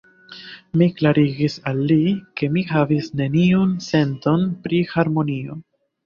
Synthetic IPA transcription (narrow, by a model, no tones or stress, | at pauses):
miklaɾiɡisalːike̞mihavisne̞niunse̞nto̞npɾihaɾmo̞nio̞